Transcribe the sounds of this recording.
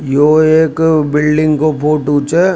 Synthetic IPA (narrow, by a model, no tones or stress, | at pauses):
joːeːkbɪlɖɪ̃ŋɡkopʰoːʈuːt͡ʃeː